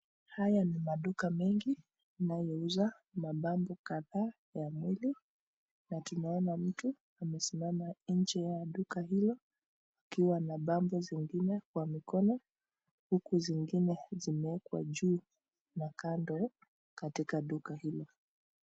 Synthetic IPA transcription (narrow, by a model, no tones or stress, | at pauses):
hajanimaɗukamɛŋɡi | najɔuza | maɓambɔkaðaː | jamwili | natunaɔnam̩tu | amɛsimamaɲ̩d͡ʒɛjaɗukaɦilɔ | akiwanaɓambɔziŋɡinɛkwamikɔnɔ | hukuziŋɡinɛzimɛɛkwa̰ʄuː | nakandɔ | katikaɗukahilɔ